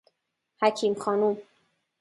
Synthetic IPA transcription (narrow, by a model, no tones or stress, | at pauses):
hæcʰiːmxɒːnum